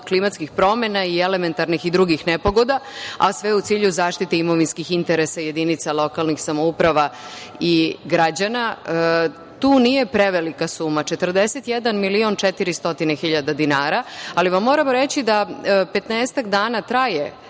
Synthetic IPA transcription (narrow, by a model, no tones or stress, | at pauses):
klimat̪skixpɾo̞me̞naie̞le̞me̞nt̪aɾnixid̪ɾuɡixnepo̞ɡo̞d̪aa̰sʋeut̪siːʎuzaːʃt̪it̪eimo̞ʋinskixint̪e̞ɾesaje̞d̪init̪salˠo̞kalnixsamoupɾaʋaiɡɾad͡ʑana | t̪uːnije̞pɾe̞ʋelikasuːmat͡ʃe̞t̪rd̪e̞set̪jed̪anmilio̞nt͡ʃe̞t̪iɾist̪o̞t̪inexiʎad̪ad̪inaːɾaaliʋamːo̞ɾamoɾe̞t͡ɕid̪ape̞t̪neːst̪akd̪aːnat̪ɾaje̞